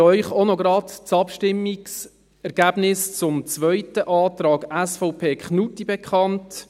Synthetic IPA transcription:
œʏχonoɡɾɑtt͡sɑpʃtɪmːiks | ɛɾɡ̥æːb̥nɪst͡sʊmt͡sʋœʏtəʔɑːtrɑːɡæsfɔʊpʰeːkχnutibɛkχɑnt

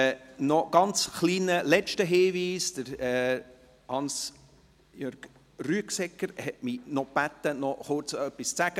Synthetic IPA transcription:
nɔɡ̥ɑnt͡sχliːnəlɛt͡ʃtəɦeːviːsd̥əɾɛ | hɑns | jøɾɡ̥ | ryəksɛkːəɾhɛt̚minɔb̥æt̪ːənɔχʊɾt͡sœpːist͡sæɡ̥ə

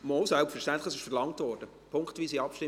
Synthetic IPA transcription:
mɔlsɛlˠptfɛɾʃtɛntlɪχɑs̬ɪʃfɛɾlɑŋtvɔːɾd̥ə | pʰʊŋktviːsiɑpʃtɪ

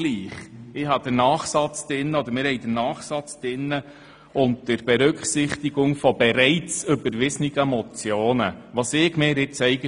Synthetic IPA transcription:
liːχɪɦɑd̪̥ənɑːχsɑt͡sd̥ɪnːəɔd̪əɾmɪːɾhɛɪjd̥̪ənɑːχsɑt͡sd̥ɪnːə | ʊnttəɾb̥ɛɾʏkχsɪχt̪iɡʊŋfɔbɛɾɛɪt͡sʏbəɾʋɪsnɪɡəmɔt͡sjoːnəʋɑsɪːɡmɪːɾɪt͡sɛɪɡə

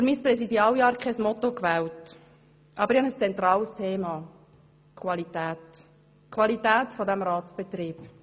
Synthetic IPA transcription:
fyɾmiːspɾɛsidiɑːljɑːɾkʰχɛsmɔt̪okʋɛːwt | ʔɑbəɾɪçhɑnəst͡sɛnt̪rɑːlstʰeːmɑ | kʰwɑlitæːt | kʰwɑlitæːtfɔdæmɾɑːtt͡sb̥ɛt̪ɾiːp

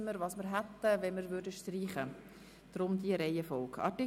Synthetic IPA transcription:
məɾʋɑːsməɾɦæt̪ːəʋɛnməɾvʏɾdəʃtriːχə | d̪̥ɾʊmd̪iəɾɛjəfɔlkʰɑ̰tɪ

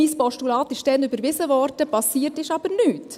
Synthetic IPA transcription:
ispɔʃtulɑːtɪʃd̥ɛnybəɾʋɪsəʋɔɾdəpɑsiːəɾtɪʃɑb̥əɾnyːt

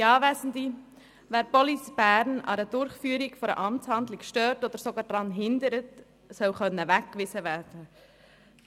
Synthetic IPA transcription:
iɑːʋæsn̩di | ʋæːɾb̥ɔlisb̥æːɾnɑ̰ɾəd̥ʊɾχfyːəɾikfɔɾə̰ʔɑmtshɑnd̪lɪkʃtøːɾtɔd̪əɾsoɡɑːd̥ɾɑnɦɪnd̪əɾət | sœwχœnːəʋækkːʋɪsəʋæːɾd̥ə

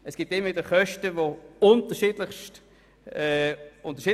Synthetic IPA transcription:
ɛsɡ̥iːp̚tɪməvidəχœʃtəvoʊntəʃidlɪχʃt | ɛʊntəʃiː

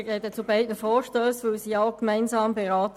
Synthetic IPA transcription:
ɡɛːtət͡sʊbaɪdnəfɔːɹʃtøːsʋoːsiːɑkmaɪnsɑːmbɛʁaːt

